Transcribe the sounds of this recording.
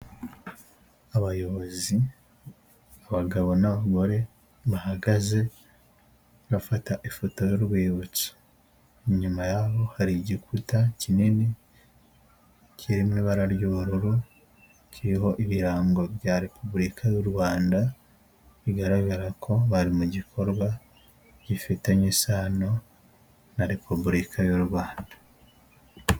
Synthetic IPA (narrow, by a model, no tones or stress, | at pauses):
aβajo̞βo̞zi | aβaɡaβo̞naβaɡo̞ɾe̞ | βahaɡaze̞ | βafataʔifo̞to̞jo̞ɾɡwiːβut͡si̥ | ɲumajaβo̞haɾiɟikʰutacinine | cʰiɾimŋiβaɾaɾjuuɾuɾu | ciɾiɦo̞ʔiβiɾaːŋɡo̞βjaɾe̞pʰubuɾikʰajuɾwaːnda | βiɡaɾaβaɾakʰo̞βaɾimuɟikʰo̞ɾɡwa | ɟifiteɲisaːno̞ | naɾe̞pubuɾikʰajuɾwaːndḁ